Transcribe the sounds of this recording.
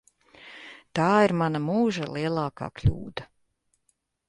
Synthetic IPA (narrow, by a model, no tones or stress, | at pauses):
t̪aːiɾmanamuːʒalˠiɛlˠɑːka̰ːklʲṵːd̪a